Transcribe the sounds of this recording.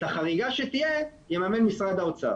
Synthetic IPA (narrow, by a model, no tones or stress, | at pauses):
t̪aχaʁiɡaʃet̪ijejemamenmisʁad̪aot͡saa̰